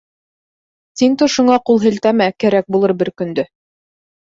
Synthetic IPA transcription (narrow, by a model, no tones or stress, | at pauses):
t̪iŋt̪ŏʃŏɴɑqulˠɦɘ̆lt̪æmækæɾæk̚bulˠɤɾbɘɾkɵ̆nd̪ɵ